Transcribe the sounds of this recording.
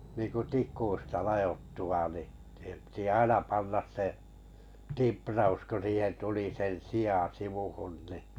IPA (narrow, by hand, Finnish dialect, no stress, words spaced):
niːnku tikˑuistɑ lɑjotːu ʋɑˑ ni siːhem pĭtĭ ɑinɑ pɑnːɑs se timprɑus ku siːhen tuli sen siɑˑ siʋuhun ni